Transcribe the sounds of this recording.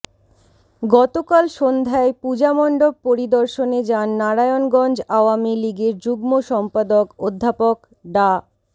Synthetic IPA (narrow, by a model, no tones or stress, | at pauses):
ɡɔt̪okalʃond̪ʱaepud͡ʑamɔɳɖob̚poɾid̪oɾʃoned͡ʑanːaɾajonɡɔnd͡ʑaoamiliɡeɾd͡ʑuɡmoʃɔmpad̪okod̪ʱːapok | ɖa